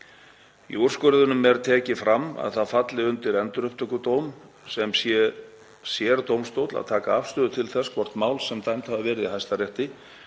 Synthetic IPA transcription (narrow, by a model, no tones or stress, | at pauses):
ḭɔr̥skœɾðʏnʏmɛɾt̪ʰɛːcɪfɾamːa̰ðθaðfat̪lɪʏnt̪ɪɾɛnt̪ʏɾœpt̪œkʏt̪oːwm | sɛmsjɛ | sjɛɾt̪owmst̪owt̪la̰ðt̪ʰaːkaafst̪ʏːðʏt̪ʰɪlθɛskʰvɔr̥t̪maːwlsɛmt̪ajmt̪havavɛːɾɪðihajst̪arjɛht̪ɪ